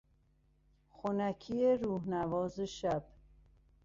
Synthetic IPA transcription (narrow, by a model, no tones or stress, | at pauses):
xonækʰieɾuːhnævɒːzeʃæb̥